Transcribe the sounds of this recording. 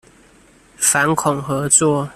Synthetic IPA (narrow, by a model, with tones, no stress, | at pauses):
fa˨˦nkʰʊ˨˩ŋxɤ˨˦t͡swɔ˥˨